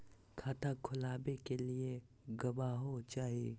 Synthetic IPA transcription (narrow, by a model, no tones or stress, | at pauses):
kʰaːʈʰakʰʊlaːbekelie | ɡɐʋaɦot͡ʃaːɦieː